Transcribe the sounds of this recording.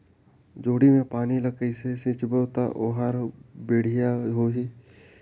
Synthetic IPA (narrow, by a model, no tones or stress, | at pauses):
d͡ʒoːɽimẽpaːniləkəisesɪ̃t͡ʃbət̪aʔoːɦaːɾbeːɽ̤ijaɦoːɦi